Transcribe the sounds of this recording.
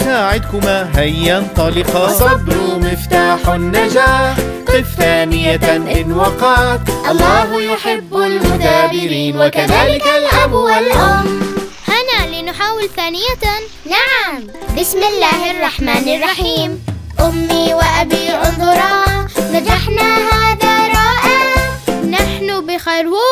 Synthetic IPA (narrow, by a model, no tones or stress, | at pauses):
saːʕɪd̪̚kʊmaɦajːɑnt̪ˤɑlɪqɑsˤɑb̪ɾumɪft̪aːħnːad͡ʒaːħ | fθaːnɪjaʔɪnwɑqɑːt̪ʔɑlˤːɑːhjʊħɪbːalmʊt̪aːbɪɾiːnwakaðaːlɪkalʔabwalʔʊmhanaliːnħaːwɪlθaːnɪja | naʕam | bɪsmɪlːaːhɑrˤːɑħmaːnɪrˤːɑħiːmʔʊmːiwɪʔabiʔʊzˤɾˤɑːnad͡ʒaħnaɦaðaɾˤɑːʔa | naħnʊbɪxaɾwuː